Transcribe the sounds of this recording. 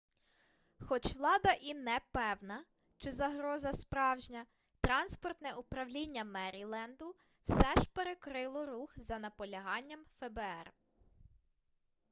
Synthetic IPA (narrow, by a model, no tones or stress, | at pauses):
xɔt͡ʃʋlˠɑd̪ɐʔinɛpɛwnɐ | t͡ʃɪzɐɦɾɔzɐspɾɑwʒnʲɐ | t̪ɾɑnspɔrt̪nɛʔupɾɐwlʲinʲːɐmɛɾʲilˠɛnd̪ʊ | wsɛʒpeɾekɾɪlˠɔɾuxzɐnɐpɔlʲɐɦɑnʲːɐmfɛbɛɛr